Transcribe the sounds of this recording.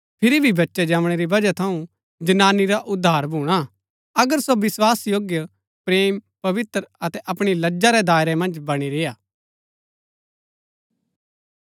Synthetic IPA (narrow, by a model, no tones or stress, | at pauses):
pʰɪɾibʱibɐtːʃɛd͡ʒaːʋɽ̃eɾibɐd͡ʒat̪ʰɐũ | d͡ʒɐnaːniɾaʔʊd̪ʱːaːɾbʱuːɽ̃a | ɐɡəɾsoʋɪswaːsjoːɡjə | pɾeːmpɐʋɪt̪ɾəɐt̪ɛʔɐpɽ̃ilɐd͡ʒaɾɛd̪aːɪɾɛmɐ̃nd͡ʒbɐɽ̃iɾeːaː